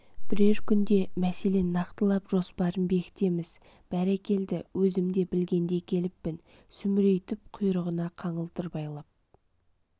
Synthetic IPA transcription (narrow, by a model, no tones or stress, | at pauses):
b̥ɪɾe̞ɾkʲʰʏnd̪e̞mæse̞le̞nɑqt̪əlˠɑpʒo̞spɑɾənbe̞kʲɪ̥t̪e̞mɪz | b̥æɾækʲe̞ld̪ɪwɵzɪmd̪e̞bɪlɡʲe̞nd̪e̞kʲʰe̞lɪpːɪn | sʏmɪɾe̞jt̪ɪp̚qʰʊjɾəʁənɑqʰɑɴəlˠt̪əɾbɑjlˠɑp̚